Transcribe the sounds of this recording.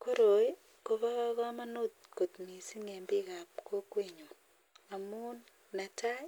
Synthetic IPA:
ko˦ɾo˨e˦ | ko˨βa˦ɣa˦ka˦ma˦no˦t̪̚ko˨tmi˨si˦ŋe˨mbi˦ka˨p̚kʰo˦kwe˦ɲo˨ | a˨mu˦nː | a˨ta˦

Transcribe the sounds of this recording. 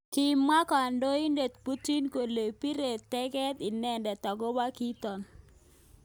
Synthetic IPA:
kɪ˨ma˦ka˨ndo˦i˦nde˨t̪pu˦ti˦nko˨le˨pi˦ɾe˨t̪ːɛ˦kɛ˦t̪i˨nɛ˦˨ndɛ˨t̪ɔ˨ɡɔ˦ba˦ki˦t̪ɔ˨n

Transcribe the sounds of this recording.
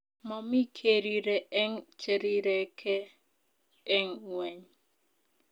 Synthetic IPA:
mɔ˨mi˦kʰe˨ɾi˨ɾe˨ʔɛ˦ŋt͡ʃe˦˨ɾi˦ɾɛ˨kʰɛ˦ | ŋwɛ˨ɲ

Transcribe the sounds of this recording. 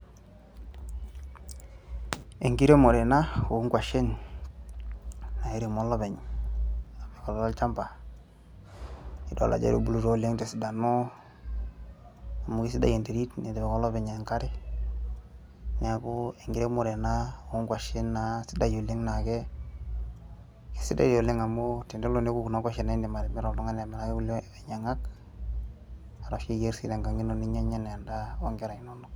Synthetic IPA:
e˨ŋɡi˦ɾe˦mo˨ɾe˨na˦o˨˦ŋkʷwa˨ʃe˦n | na˨e˦ɾi˨mo˦lɔ˦bɛ˨ɲ | a˨me˨kɔ˨lɔ˨lɔ˦lt͡ʃa˦mpa˨ | i˨do̰˨la̰˨d͡ʒḛ˦do˦˨bu˨lu˦to˦le˦ŋte˨si˨da˨no˦ | a˨mu˨ki˦s̬i˦da̰˨je˨nte˨ɾi˦tne˨di˨be˨kɔ˦lɔ˦be˨ɲe˨ŋka˦ɾɪ˦ | ne˨a˨ku˦e˨ŋɡi˨ɾe˦mu˨ɾe˨na˦o˦ŋɡwa˨ʃi˦nːa˨si˦da˨jo˨li˦ŋna˨kɛ˦ | ki̥˨si˦da̰˦ɾi˨o˨le˦ŋa˨mo˦ti˨nde˦lo˦ne˦ku˦ku˨na˦ɡʷa˦ʃe˨na˨i˦ndi˨ma˨ɾɛ˨mi˦ɾo˨lu˦ŋa˦na˨mi˨la˦ke˦u˦le˨ɲe˨ŋa˦k | a˨ɾa˨ʃi˦ɡe˦ɾsi˦de˨ŋɡa˨ŋi˦no˨ni˦ɲe˦ɲa˦nɛ˨a˨nda˦o̰˦ŋɡe˦ɾa˨i˨no˦no˦k

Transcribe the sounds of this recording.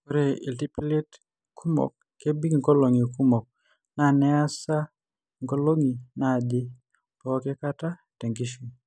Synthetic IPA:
ko˦ɾe˦˨ḭ˨lti˦pi˦le˦t | kʰu˦mo̰˨kːe˦bi˦kŋkɔ˦lo˨ŋi˨ku˦mɔ˨k̚ | na˦˨nɛ˦a˦sa˦ | ŋko˦lo˦ŋi˨na˦˨dɪ˦ | pɔ˨˦kɛ˦ka˦ta˦ | te˨ŋɡi˦ʃi˨

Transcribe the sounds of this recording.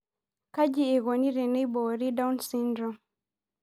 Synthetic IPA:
ka˦d͡ʒi˦e˨ɣɔ˨ni˦ɾɛ˨nɛ˦jbɔ˨ɾi˦da˦u˦nsi˦ndɾɔ˨m

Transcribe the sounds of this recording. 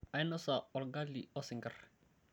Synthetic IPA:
a˨jnɔ˦sa˨ɔ˨lɡa˦lːi˨ɔ˦sɪ˨ŋɡa̰r

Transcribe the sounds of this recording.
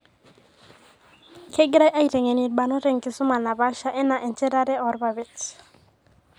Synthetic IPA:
kʰɛ˦ɡɾa˦jʔa˦i˨ɾɛ˨ŋe˨ni˨d̚ba˨nɔ˦ɾɛ˨ŋkɪ˨sʊ˦ma˨na˨ba˦ʃa˦ʔɛ˦na˨ʔɛ˨nt͡ʃɛ˦ɾa˦ɾɛ˦ɔ˨˦ɾba˨βɪ˨t

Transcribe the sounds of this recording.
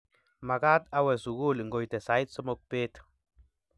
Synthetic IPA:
ma˨ɡa˦t̪a˦we˨su˨ɡu˦˨lŋ˨ɡo˨jt̪e˨sa˨˦jt̪so˦mo˧k̚pe˦t̪

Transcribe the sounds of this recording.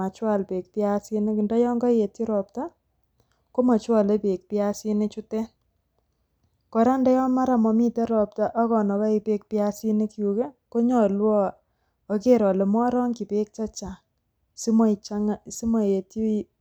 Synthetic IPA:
a˨t͡ʃwa˦˨lpe˨k̚pi˦a˦si˦ne˦ku˨ndɔ˦jɔ˦ŋɡɔ˦je˨ti˦ɾɔ˨p̚ta˦ | ko˦ma˨t͡ʃwa˨le˦pe˨k̚pi˦a˦si˦ne˦t͡ʃu˦tɛ˦n | kɔ˨ɾa˦nda˦jɔ˦ma˦ɾa˨mɔ˨mi˦te˦ɾɔ˨p̚ta˦ʔɔ˦kɔ˨nɔ˨ka˦i˨pe˦k̚pi˦a˦si˦ne˦kju˨ke˦ko˦ɲɔ˨lwɔ˦ | o˦ke˦ɾɔ˨le˨m˦ɔ˦ɾɔ˦ŋki˨pe˦k̚t͡ʃa˦t͡ʃa˨ | sm˦t͡ʃa˦ŋ˦si˦mɔ˨je˨ti˦

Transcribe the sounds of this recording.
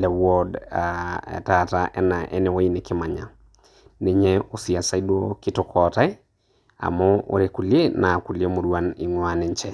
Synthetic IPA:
lɛ˨wɔdaɛ̰˨tataʔɛ̰˦na˨ʔɛ̰˦nɛ˨wo˦i˦nɪ˨kɪ˦ma˨ɲa˨ | ne˨ɲɛosia˨sa˦i˦dwokɪ˦tɔkʰɔta˦i˦ | a̰˨mɔ˦o̰˨ɾeku˨ljenaː˨ku˨lje˦mo˨ɾwa˦ni˨ŋwa˦nɛ˨ɲt͡ʃɛ˦

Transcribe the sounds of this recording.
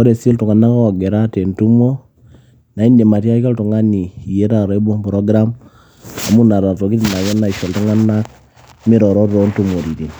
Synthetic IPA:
ɔ˦ɾe˨se˦ltu˨ŋa˨na˦kɔ˦˨ɡɛ˨ɾa˦te˨ntu˦mo˦ | na˨i˦ne˨ma˨ti˦a˦ka˦ltu˨ŋa˦ni˨i˨je˦ɾa˨ɾɔ˦i˦bɔ˦mbɾɔ˦ɡɾa˦m | a̰˨mu˦na˨ɾa˨to˨ki˦ti˨na˨kɛ˦na˨i˨ʃo˨ltu˦ŋa˦na˦k | mi˦ɾɔ˨ɾo˦ɾɾo˦ntu˨mo˨ɾi˨ɾi˨n

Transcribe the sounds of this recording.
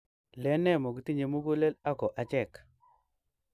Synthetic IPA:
lɛ˨˦nɛ˦˨mo˨ki˨ti˦ɲe˨mu˦ku˦le˦la˦kɔ˨ʔa˨t͡ʃɛ˦˨k

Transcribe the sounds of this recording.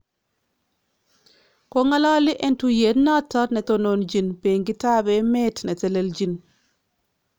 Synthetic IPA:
ko˦ŋa˦la˦li˦ʔe˦ntuje˨˦tna˦tːa˦tne˨tonond͡ʒi˨npe˨ŋɡi˦ta˦be˦me˦tne˨tɛ˨le˨ld͡ʒin

